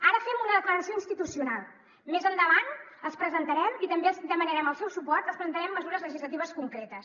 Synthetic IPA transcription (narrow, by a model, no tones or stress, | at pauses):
aɾəfɛmunəðəkləɾəsioinst̪it̪usijunalˠ | mezənd̪əβ̞an | əlˠspɾəzənt̪əɾɛmit̪əmbelzd̪əmənəɾɛməlˠsɛwsupɔrt̪əlspɾənt̪əɾɛmːəzuɾəzləʒizlət̪iβəskuŋkɾet̪əs